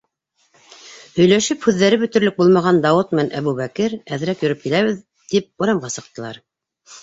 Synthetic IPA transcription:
hɵ̆jlæʃɘphʉðːæɾɘbɵ̆t̪ɵ̆ɾlɵk̚bulˠmɑʁɑnd̪ɑwɤt̪mænʔæβuβækɘɾæðɾækjɵ̆ɾɵp̚kilæβɘð | t̪ip̚ŭɾɑmʁɑsɤ̆q̚t̪ɤ̆lˠɑ̰ɾ

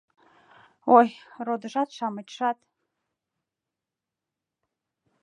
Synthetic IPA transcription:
ojrod̪əʒɑt̪ʃɑmət̪ʃɑt̪

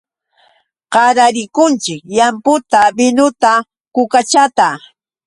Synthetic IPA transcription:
qɑɾaɾɪkʊnt͡ʃɪkjampʊt̪abɪnʊt̪a | kʊkat͡ʃat̪a

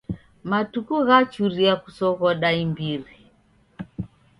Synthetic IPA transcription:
matukuɣat͡ʃuɾiakusɔɣɔɗaimbiɾi

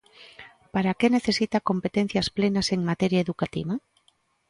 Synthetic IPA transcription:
paɾakeneθesit̪akompet̪en̟θjasplenaseŋmat̪eɾjaeðukat̪ḭβa

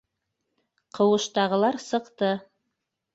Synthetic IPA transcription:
qʰɤ̆wɤ̆ʃt̪ɑʁɤ̆lˠɑɾsɤ̆qt̪ɤ

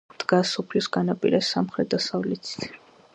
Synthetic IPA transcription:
d̪̥ɡasɔpʰlisɡanapʼḭɾɛsamχɾɛt̪̚d̪asavlɛt̪t̪ʰ

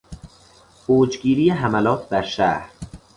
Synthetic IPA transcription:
b̥oːd͡ʒɡiːɾiːjeɦæmælɒːt̪ʰd̪æɾʃæ̰ːhɾ

